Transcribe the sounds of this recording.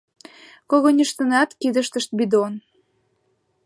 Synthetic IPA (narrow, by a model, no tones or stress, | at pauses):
koɣonʲəʃt̪ənɑt̪kid̪əʃt̪əʃt̪̚bid̪on